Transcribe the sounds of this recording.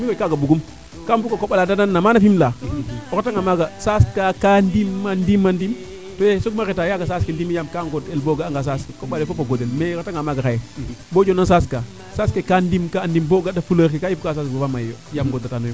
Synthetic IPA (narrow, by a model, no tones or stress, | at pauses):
mikokaɡabuɡum | kambukakoɓaladananːamanafimlaoɾataŋɡamaɡasaskakandimːandimːandim | tojesoɡmaɾetajaɡasaskindimijamkaŋɡodelboɡaaŋɡas̬askikoɓalefopaɡodenmekataŋɡamaɡaxajebod͡ʒonansaːska | saskekandimkandimboɡadafulaɾkikajifukasasbobamajjojamɡodatanojo